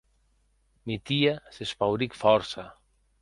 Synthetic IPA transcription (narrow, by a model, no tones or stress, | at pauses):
mit̪iasespawɾikfɔɾsa